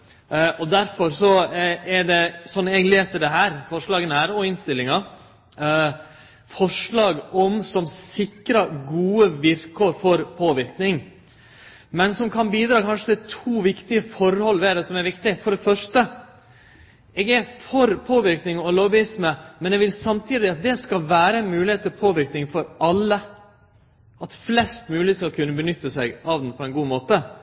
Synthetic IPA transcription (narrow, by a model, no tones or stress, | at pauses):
ɔd̪æɾfɔɾsɔɛɖɛsɔnːɛɡleːsəɖ̪ɛɦæːɾfɔʂɭɑːɡənəhæːɾɔɪnst̪ɪlːɪŋɑ | fɔʂɭɑːɡɔmsɔmssɪkɾɑɡuːəʋɪɾkʰoːɾfɔɾpʰoːʋɪɾknɪŋ | mɛnsɔmkʰɑnbiːd̪ɾɑːkʰɑnʂət̪ɛt̪ʰuːʋɪkt̪ɪəfɔɾhɔlːʋɛd̪ɛsɔmɛɾʋɪkt̪ɪfɔɖɛfœʂʈə | eːɡɛɾfɔɾpʰoːʋɪɾknɪŋɔloːʋbʊɪsməmɛnɛʋɪlsɑmt̪ʰiːd̪ɪɑt̪̚d̪ɛskɑlʋæːɾəɛnmʉːlɪheːt̪ːlpʰoːʋɪɾknɪŋfɔɾɑlːə | ʔɑt̪flɛst̪mʉːɪeːt̪skɑlkʰʉnːəbənʏt̪ːəsæɪɡɑʋd̪n̩pʰɔɛnɡuːmoːt̪ə